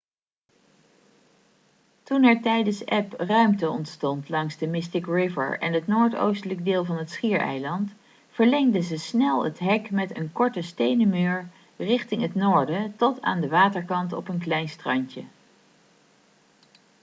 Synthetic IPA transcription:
tunɛɹtɛjdənsɛprœɥmtəɔntstɔntlɑŋzdəmɪstɪkɹɪvə̰ɹɛ̰nɦətnoːɹto̰wstələɡ̚dɪːlˠvɑnɦətsχiːɹɛ̰jlɑnt | fəɹlɛŋdəzəsnɛlˠə̰tɦɛkmɛtənkɔɹtəstejnəmøːɹ | rɪχtɪŋɦətnoːɹdətɔtʰa̰ːndəʋaːtəɹkɑntɔ̰pənklɛjnstrɑɲcə

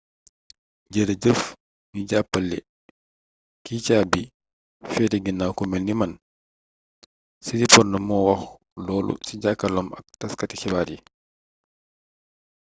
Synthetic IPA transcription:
d͡ʒəɾad͡ʒəf | mid͡ʒapːalːɛ | kiːt͡ʃaːbi | fɛtɛɡinawkumɛlniman | sidipɔɾnɔmɔwax | lɔlṵsid͡ʒakalɔma̰ktaskati̥kɛbaɾi

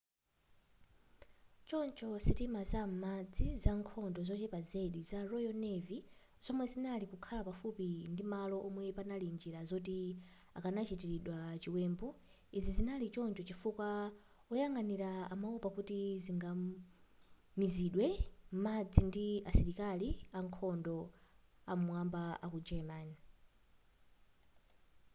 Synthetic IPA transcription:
t͡ʃɔnt͡ʃɔsitimazamad͡zizaŋkʰɔndɔzɔt͡ʃɛpazɛɗizaɾɔjɔnɛvi | z̥ɔmwɛzinalikukʰalapafupindimalɔʔɔmwɛpanalind͡ʒiɾazɔti | akanat͡ʃitiɾiɗwat͡ʃiwɛːmbɔ | izizinalit͡ʃɔnt͡ʃɔt͡ʃifukwa | ɔjaŋɡaniɾaːmaupakutiziŋɡa | miziɗwɛm̩mad͡zindiasiɾikaliaŋkʰɔndɔ | amuwambaakud͡ʒɛmani

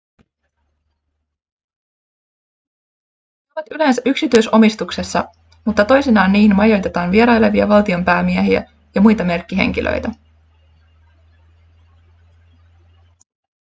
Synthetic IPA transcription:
oʋɑt̪ylæːnsæʔyksit̪yjso̞mist̪ukse̞sːɑ | mut̪ːɑt̪o̞jsinɑːnːiːhinmɑjo̞jt̪e̞t̪ɑːnʋie̞ɾɑjle̞ʋiæ̰ʋɑlt̪io̞mpæːmiæɦiæ̰ | jɑmujt̪ɑme̞rkːiɦe̞̰ŋk̟ilʔø̰jt̪æ

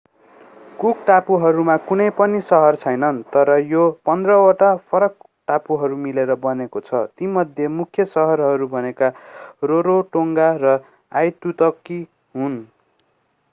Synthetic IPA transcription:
kukʈapuɦʌɾumakunʌjpʌnisʌɦʌrt͡sʰʌjnʌnt̪ʌɾʌjopʌnd̪rʌwoʈapʰʌɾʌk̚ | ʈapuɦʌɾumileɾʌbʌnekot͡sʰʌt̪imʌd̪ʱjemukʰjʌsʌɦʌɾɦʌɾubʱʌnekaroɾoʈoŋɡaɾʌ | ajt̪ut̪ʌkːi | ɦun

